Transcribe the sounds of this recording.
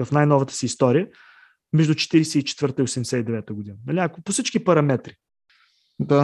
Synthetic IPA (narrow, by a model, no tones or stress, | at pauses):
əfnajnɔvət̪ə̥siːst̪ɔɾijə | mɛʒd̪ut͡ʃɛ̥t̪iɾɛsɛit͡ʃɛ̥t̪vɤɾt̪əiosɛmd̪ɛsɛid̪ɛvɛt̪əɡʊd̪inənɐliɐkʊposit͡ʃkipɐɾɐmɛt̪ɾi | d̪a